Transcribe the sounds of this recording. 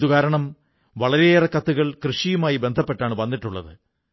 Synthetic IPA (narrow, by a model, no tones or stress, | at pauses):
ðuɣaːɾɐɳɐm | ʋɐɭɐɾeeːrɐkːɐt̪ːuɣɐɭkrɨʂijumaːjibe̞nd̪ʱɐpːe̞ʈːaːɳɨʋɐnːiʈːuɭːɐ̰ðɨ